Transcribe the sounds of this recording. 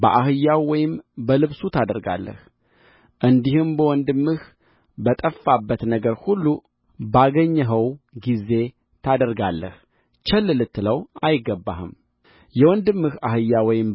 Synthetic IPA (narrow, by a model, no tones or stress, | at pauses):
bəʔahɨjːawwɔjɪmbəlɨβsut̪ʰad̪əɾɡa̰lːə̰h | ʔɨnd̪ihɨmbəwɔnd̪ɨmːɨh | bət̪ʼəfːabːət̪nəɡəɾhulːu | baɡəɲːəɦəwɡize̞ | t̪ʰad̪əɾɡalːə̰h | t͡ʃɛlːɨlɨt̪ːɨləwajɪɡːəbːa̰hɨm | jɛwɔnd̪ɨmːɨhahɨjːawɔjɪm